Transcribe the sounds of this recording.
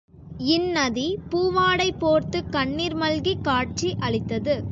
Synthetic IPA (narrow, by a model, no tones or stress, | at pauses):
ɪnːɐðipuːʋaːɽɐɪpːoːɾt̪ɯkɐɳːiːɾmɐlɡikaːʈ̚t͡ʃiʔɐɭɪt̪ːɐðɯ